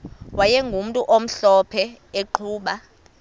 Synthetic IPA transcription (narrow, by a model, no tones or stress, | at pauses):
wajɛŋɡʱum̩tʼuʔom̩ɬɔpʰɛeǃʰuːɓa